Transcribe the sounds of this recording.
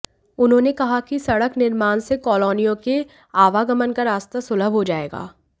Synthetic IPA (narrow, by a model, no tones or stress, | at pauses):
ʊnɦõːnekɐɦakisɐɽəknɪɾmaːnsekɔːlɔːnijõke | aːʋaɡɐmənkaɾaːst̪asʊləbʱɦod͡ʒaːeːɡa̰ː